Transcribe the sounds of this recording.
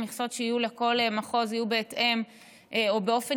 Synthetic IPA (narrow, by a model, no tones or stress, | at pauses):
miχso̞t̪ʃeijuleko̞lemaχo̞zijubeːtʔe̞m | ʔeobe̞o̞fe